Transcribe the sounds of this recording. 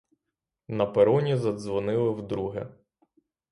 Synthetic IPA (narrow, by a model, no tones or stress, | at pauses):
nɐpeɾɔnʲizɐd̪zʋɔnɪlˠɪwd̪ɾuɦɪ